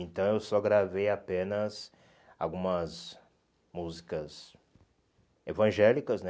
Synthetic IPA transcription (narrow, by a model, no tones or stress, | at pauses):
ẽnt̪ɐ̃w̃ewsɔɡɾavejapẽnɐz | awɡũmɐz | muzikɐs | evɐ̃ʒɛlikɐznɛ